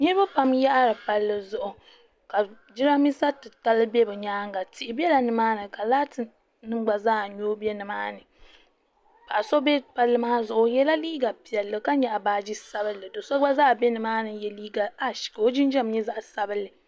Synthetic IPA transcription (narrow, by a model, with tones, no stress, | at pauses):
ɲi˦ɾɨ˦ba˦pa˦mja˦ʔa˦ɾɨ˨pa˦lːɨ˨zʊ˦ʔʊ˨ | ka˨ | d͡ʒi˦ɾa˦mi˦sa˦tɨ˨ta˦lɨ˦bɛ˦bɨ˨ɲaː˦ŋɡa˨tɪ˨ʔɪ˨bɛ˦la˨nɨ˨maː˦nɨ˨ka˨laː˦tɨ˨ | nɨ˦ɡ͡ba˨zaː˦˨ɲoː˦bi˦ɛ˦nɨ˨maː˦nɨ˨ | pa˨ʔa˨so˦bɛ˦pa˦lːɨ˦maː˦zʊ˨ʔʊ˨jɛ˦la˦liː˦ɡa˨pi˨ɛ˨lːɨ˨ka˦ɲɛ˨ʔa˨baː˨˦d͡ʒi˦sa˦bɨ˦lːɨ˨do˨so˦ɡ͡ba˦za˦˨bɛ˦nɨ˨maː˦nɨ˨jɛ˦liː˦ɡa˨a˦ʃi̥˨kɨ˨o˦d͡ʒɪ˦nd͡ʒɛ˦m˦ɲɛ˦za˦ʔsa˦bɨ˦lːɨ˨